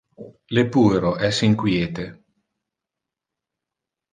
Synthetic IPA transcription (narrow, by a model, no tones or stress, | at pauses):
lepuːeɾoʔɛsiŋkwjeːt̪e